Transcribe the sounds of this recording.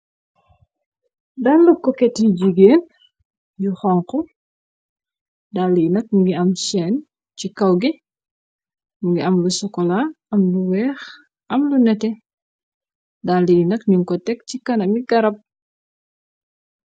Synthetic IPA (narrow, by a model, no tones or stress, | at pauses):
dalːukːɔkɛtːiɟiɡeːn | juxɔːŋkɔ | dalːijinɐk̚ɲuɡiɐmsɛːn | cikɐwɡi | ɲuɡiɐmlusɔkɔla | ɐmluwɛːx | ʔɐmlunɛtɛ | dalːijinɐkɲuŋkɔtɛk̚cikɐnɐmiɡɐɾɐp̚